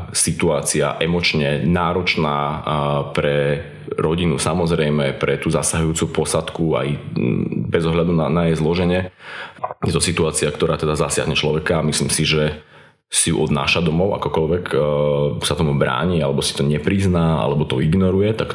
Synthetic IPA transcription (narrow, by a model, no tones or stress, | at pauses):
sit̪uaːt͡sia̰ʔɛmɔt͡ʃɲɛnaːɾɔt͡ʃnaːpɾɛ | ɾɔɟinusamɔzɾɛjmɛpɾɛt̪uːzasaɦujuːt͡supɔsat̪kua̰j | bɛzɔɦʎad̪unanajɛjzlɔʒɛɲɛ | jɛt̪ɔsit̪uaːt͡siakt̪ɔɾaːt̪ɛd̪azasɪa̰ɦɲɛt͡ʃlɔʋɛkaːmisliːmsiʒɛ | siṵʔɔd̪na̰ːʃad̪ɔmɔʊʔa̰kɔkɔʎʋɛk | sat̪ɔmubɾa̰ːɲialɛbɔsi̥t̪ɔɲɛpɾiznaːa̰lɛbɔt̪ɔiɡnɔɾujɛt̪ak